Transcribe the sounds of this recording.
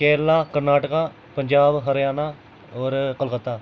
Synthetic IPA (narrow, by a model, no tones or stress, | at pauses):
kɛːɾlaːkəɾnaːʈəkaː | pəɲʲd͡ʒaːbɦɐɾjaːna | ɔːɾkəlkət̪aː